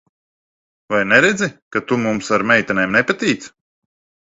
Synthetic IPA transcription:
vajnɛɾed̪zikat̪umumsaɾmʲɛjt̪anɛːmnɛpat̪ʲiːt̪s

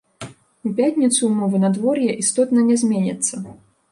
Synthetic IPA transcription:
upʲat̪ʲnʲit̪sumɔvɨnad̪vɔrjɛʔist̪ɔt̪nɐnʲɛzʲmʲenʲɐ̰t̪sːɐ

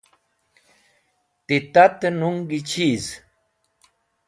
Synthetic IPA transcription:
t̪it̪at̪enuŋɡit͡ʃiz

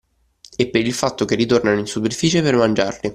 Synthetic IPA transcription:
epːeɾilfat̪ːok̟erːit̪ornanoinsuperfiːt͡ʃepermand͡ʒarli

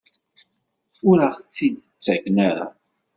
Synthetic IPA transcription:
ʊɾaʁt͡sːid̪t͡sːæknaɾa̰

